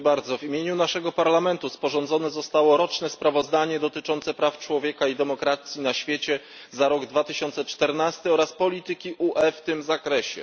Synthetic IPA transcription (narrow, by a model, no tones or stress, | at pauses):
baɾd̪zɔvimʲjeɲunaʂɛɡɔpaɾlamɛnt̪uspɔʐɔnd̪zɔnɛzɔst̪awɔɾɔt͡ʂnɛspɾavɔzd̪aɲɛd̪ɔt̪ɘt͡ʂɔnt̪sɛpɾaft͡ʂwɔvʲjekaid̪ɛmɔkɾat̪sʲjinaɕfʲjet͡ɕɛ | zaɾɔɡd̪vat̪ɘɕɔnt̪sɛt͡ʂt̪ɛɾnast̪ɘɔɾaspɔlʲit̪ɘkʲiʔuʔɛft̪ɘmzakɾɛɕɛ̰